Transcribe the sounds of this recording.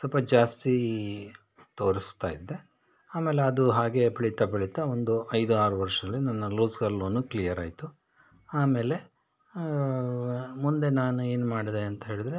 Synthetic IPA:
sɐlpɐd͡ʒaːst̪i | t̪o̞ːɾist̪aːjid̪ːe̞ | aːme̞ːleɐd̪uɦaːɡe̞pɐɭit̪ɐpɐɭit̪ɐond̪uɐjd̪uaːɾuʋɐɾʂɐɐlːinɐnːɐluːsɡɐlːoːnːuklijɐɾa̰ːjit̪u | aːme̞ːle̞ | mund̪e̞naːnue̞ːnumaːɽid̪eɐnt̪ɐɦe̞ːɭid̪ɾe̞

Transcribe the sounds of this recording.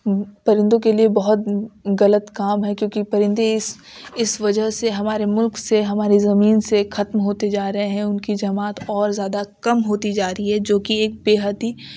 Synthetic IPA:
pɐɾɪ̃nd̪õkeliebɐɦʊt̪̚ɣɐlət̪kaːmɦɛkjõːkipɐɾɪ̃nd̪eɪs | ɪsʋɐd͡ʒəɦseɦɐmaːɾemʊlkseɦɐmaːɾizɐmiːnsexʰɐt̪mɦoːt̪ed͡ʒaːɾɐɦeɦɛ̃ʊnkid͡ʒɐmaːt̪ɔːɾzjaːd̪akɐmɦoːt̪id͡ʒaːɾəiɦɛd͡ʒoːkieːk̚beːɦət̪i

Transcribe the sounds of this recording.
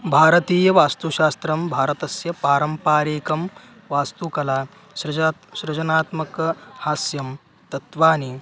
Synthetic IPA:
bʱaːɾɐt̪iːjɐʋaːst̪uɕaːst̪ɾɐmbʱaːɾɐt̪ɐsjɐpaːɾɐmpaːɾeːkɐm | ʋaːst̪ukɐlaː | sɾɐʃɾɐd͡ʒɐnaːt̪mɐkhaːsjɐm | t̪ɐt̪ʋaːni

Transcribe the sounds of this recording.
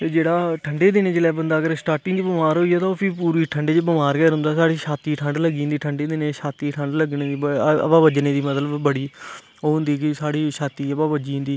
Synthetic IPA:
t̪eːd͡ʒeːɽaːʈʰəɳɖeːd̪ɪnẽːt͡ʃlɛːbənd̪aːəɡəɾsʈaːɾʈɪŋɡd͡ʒbəmaːɾɦoːiaːt̪õpʰiːpuːɾiːʈʰəɳɖeːt͡ʃːbɪmaːɾkɛːɾɦʊ̃nd̪aːsaːɽiːʃaːt̪iːʈʰəɳɖləɡiːnd̪iːʈʰəɳɖeːd̪ɪnẽːʃaːt̪iːʈʰəɳɖləɡneːd̪iːəə̰baːbəd͡ʒnẽːd̪iːmət̪ləbbəɽiː | oːnd̪iːkɪsaːɽiːʃaːt̪iːəbaːbəd͡ʒĩːnd̪iː

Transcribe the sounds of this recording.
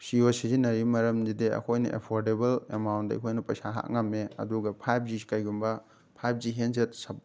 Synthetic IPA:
siosizinɐɾimɐɾɐmzideɐ̰kʰojnɐ̰ʔḛpʰoɾdebɐlḛmawntdɐ̰ḭkʰojnɐpɐsaɦa̰kŋɐmːeɐ̰duɡɐpʰajp̚d͡ʒisi̥kɐjɡumbɐ | pʰajp̚ʰziɦensetsɐp̚

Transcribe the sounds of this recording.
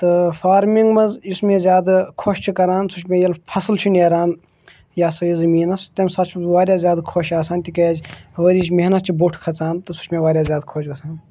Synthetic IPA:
t̪ɨfaːɾmiŋɡmɐzismẽːzʲjaːd̪ɨkʰoʃt͡ʃʰikɐɾaːnsut͡ʃʰmẽjɐlpʰɐslt͡ʃʰineːɾaːn | jaːsɐjizɐmiːnɐst̪emsɐt͡ʃʰʋaːɾʲjaːzʲjaːd̪kʰoʃaːsaːnt̪ikɐzʲʋɐɾiːt͡ʃ̬ʲmeɦnɐt̪̚t͡ʃʰiboʈʰkʰɐt͡saːnt̪ɨsu̥t͡ʃʰmẽʋaːɾʲjaːzʲjaːd̪kʰoːt͡ʃɡɐsʰaːn

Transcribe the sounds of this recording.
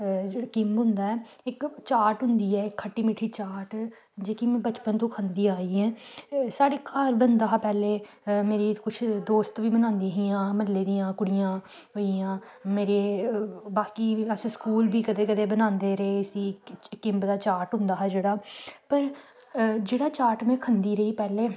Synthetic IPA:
d͡ʒeːɽaːkɪ̃mpɦʊ̃nd̪aːɛː | ɪkt͡ʃaːʈɦʊ̃nd̪iːɛːɪkʰːəʈːiːmiʈʰːiːt͡ʃaːɾʈ | d͡ʒeːkiːmɛ̃ːbət͡ʃpənt̪õːkʰãnd̪iːaːiːɛ̃ːsaːɽeːkʰaɾbənd̪aːɦaːpɛːleː | meːɾiːkʊt͡ʃʰd̪oːst̪ʋiːbənãːnd̪iɦijãːməlːeːd̪iːjãːkʊɽɪjãː | ɦoːiãː | meːɾeːbaːkiːəsskuːlbiːkəd̪eːkəd̪eːbənãːnd̪eːɾeːɪsiːkɪ̃mpd̪aːt͡ʃaːʈɦʊ̃nd̪aːɦɛːd͡ʒeːɽaːpəɾ | d͡ʒeːɽaːt͡ʃaːɾʈmɛ̃ːkʰənd̪iːɾəiːpɛːleː

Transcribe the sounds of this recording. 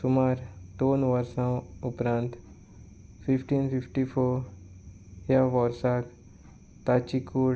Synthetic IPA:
sʊmaːɾd̪oːnʋəɾsãʊpɾãːnt̪ | pʰipʈiːnpʰɪpʈipʰoːɾ | jaʋɔɾsak | t̪aːt͡ʃikuːɽ

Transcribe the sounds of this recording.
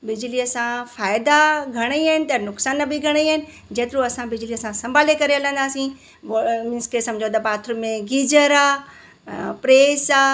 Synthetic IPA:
bɪd͡ʑliɐsãfaːɪd̪aɡʱɐɽ̃iɐɦɪnɪ̆t̪ɐnʊksaːnːɐbʱɪɡʱɐɽ̃iɐɦɪnɪ̆ | d͡ʑeːt̪ɪɾũɐsãbɪd͡ʑliɐsãsɐ̃mbʱaːlekɐɾeɐlə̃nd̪aːsĩ | mɪ̃nskesɐ̃md͡ʑʱot̪̬ɐpaːt̪ʰɾʊmẽɡiːd͡ʑəɾaː | pɾeːsaː

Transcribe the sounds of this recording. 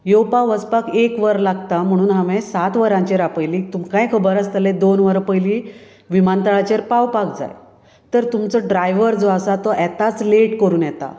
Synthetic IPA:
jowpaʋəspakekʋəɾlaɡt̪am̤əɽ̃uːnɦamẽsat̪ʋəɾãɲt͡ɕeɾapəjliːt̪umkãjkʰəbəɾast̪əlẽd̪onʋəɾpəjli | ʋimant̪əɭat͡ɕeɾpawpak̚d͡za̰j | t̪əɾt̪umt͡sɔɖɾajʋəɾd͡zɔasat̪ɔʔɛt̪at͡sleʈkəɾuːnjɛt̪a̰

